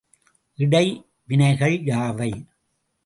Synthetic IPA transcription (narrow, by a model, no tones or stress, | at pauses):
ʔɪɽɐɪ | ʋɪnɐɪɣɐɭjaːʋɐɪ